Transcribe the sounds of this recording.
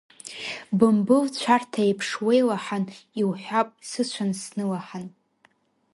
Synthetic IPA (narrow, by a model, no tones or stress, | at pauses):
bɨmbɨlt͡ɕʷʰartʰaepʰʂwejlaħaniwħʷᶣapʼsɨt͡ɕʷʰansnɨlaħan